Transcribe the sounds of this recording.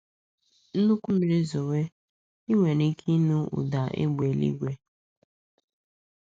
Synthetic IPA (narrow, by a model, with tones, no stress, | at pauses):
n̩˦nu˦kʷu˦mi˨ɾi˦zo˨we˦ | i˦ŋʷe˨ni˦kʰi˦nu˦ṵ˨da˨ʔḛ˦ɡ͡be˨lḭ˦ɡʷe˦